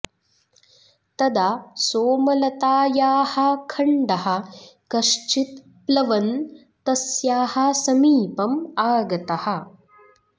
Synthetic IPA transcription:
t̪ɐd̪asoːmɐlɐt̪aːjaːhɐ̆kʰɐɳɖɐɦɐ̆kɐʂt͡ʃit̪̚ | plɐʋɐn | t̪ɐsjaːhɐ̆sɐmiːpɐmaːɡɐt̪ɐhɐ̆

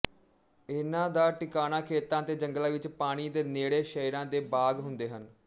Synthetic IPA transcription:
ɪnãːd̪aːʈɪkaːñãːkʰeːt̪ãːt̪eːd͡ʒəŋɡlãːʋɪt͡ʃpaːɽ̃iːd̪eːneːɽeːʃəiɾãːd̪eːbaːɡɦʊnd̪eːɦən

